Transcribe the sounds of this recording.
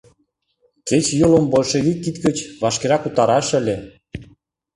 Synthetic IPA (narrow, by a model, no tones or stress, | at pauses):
ket͡ɕjolombolʃeɣikːit̪kə̆t͡ɕβɑʃkeɾɑkut̪ɑɾɑʃə̆lʲe